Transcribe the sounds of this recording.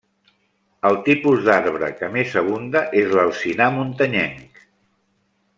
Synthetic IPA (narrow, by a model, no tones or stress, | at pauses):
əlˠt̪ipuzðaɾβɾə̰kəmezəβ̞und̪əʔezləlˠsinamunt̪əɲɛŋk